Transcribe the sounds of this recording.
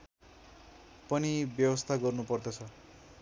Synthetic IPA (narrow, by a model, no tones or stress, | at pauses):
pʌnibjʌwʌst̪ʰaɡʌrnupʌrd̪ʌt͡sʰʌ